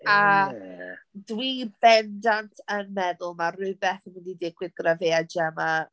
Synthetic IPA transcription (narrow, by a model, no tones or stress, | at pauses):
a | dwibɛndantʰənmɛðʊlˠmarɨbɛθənɪndidɪɡwɪðɡravead͡ʒɛma